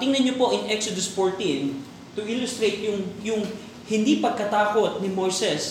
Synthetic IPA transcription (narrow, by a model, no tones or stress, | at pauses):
t̪ɪŋnɐnɲopo̞ʔɪŋʔɛksod̪osfoɹt̪in | t̪ʊʔɪlʊst̪ɾejt̪̚jʊŋjʊŋ | hɪnd̪ipɐɡ̚kɐt̪aːko̞t̪̚nɪmojsɛs